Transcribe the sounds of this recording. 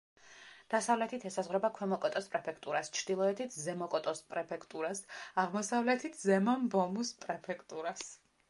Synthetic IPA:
d̪̥asavlɛt̪ʰit̪ʰɛsazʁwɾɛbakʰwɛmɔkʼɔt̪ʼɔspʼɾɛpʰɛkʰt̪ʼuɾast͡ʃʰɾd̪ilˠɔɛt̪ʰit̪ʰzɛmɔkʼɔt̪ʼɔspʼɾɛpʰɛkʰt̪ʼuɾasaʁmɔsavlɛt̪ʰit̪ʰzɛmambɔmuspʼɾɛpʰɛkʰt̪ʼuɾas

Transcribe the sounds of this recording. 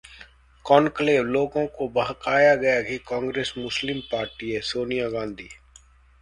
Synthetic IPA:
kɔːnkleːʋloːɡõkobɐɦkaːjaɡɐjaɡikãːŋɡɾeːsmʊslɪmpaːɾʈiesoːnijaɡãːnd̪ʱiː

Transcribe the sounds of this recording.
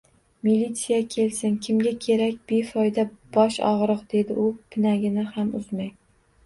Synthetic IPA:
milːit̪sijakʲʰe̞lsɪnkʲʰɪmɡʲakʲʰe̞ɾakʲb̥efɒjd̪ab̥ɒʃɒ̰ʁɾɨqd̪̥e̞d̪ɪʔʊpʰɪnaɡʲɪnɪhamʊzmaj

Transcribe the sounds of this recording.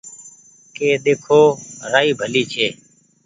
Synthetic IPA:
keːɗ̪eːkʰoːɾaːiːbʱəliːt͡ʃʰeː

